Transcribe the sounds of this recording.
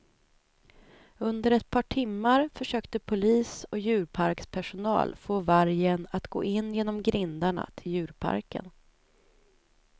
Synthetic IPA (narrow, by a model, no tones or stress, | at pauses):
ɵnd̪əɾɛt̪̚pʰɑːʈʰɪmːaɾfœʂøːkt̪əpʰʊliːsɔjʉ̟ːɾpʰaɾkspʰæʂʊnɑ̰ːlfoːvaɾjənat̪ɡo̰ːʔɪnːjeːnɔmɡɾɪnd̪aɳa̰t̪ʰɪljʉ̟ːɾpʰa̰ɾkə̰n